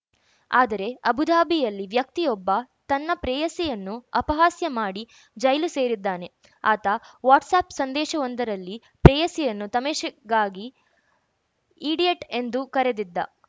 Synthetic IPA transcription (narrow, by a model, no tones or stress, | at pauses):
aːd̪ɐɾe̞ɐbʱud̪ʱaːbijɐlːiʋjɐk̚t̪ijɔbːɐt̪ɐnːɐpɾɛːjɐsɛjɐnːuɐpɐɦaːsjɐmaːɽi | d͡ʒɐjluse̞ːɾid̪ːaːne̞ | aːt̪ɐʋaːʈsaːpsɐnd̪ɛːʃɐond̪ɐɾɐlːi | pɾɛːjɐsɛjɐnːut̪ɐmeːʃɐɡaːɡi | iːɽijeʈe̞nd̪ukɐɾe̞d̪id̪ːɐ̰